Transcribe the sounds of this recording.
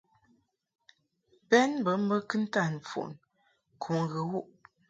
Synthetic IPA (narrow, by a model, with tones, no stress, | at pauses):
pɛ˦nbə˨˦m̩˦bə˦kɨ˦n̩˦ta˦˨n˨fṵ˨ʔn | kʰu˨ŋ˦ɣə˨wu˦˨ʔ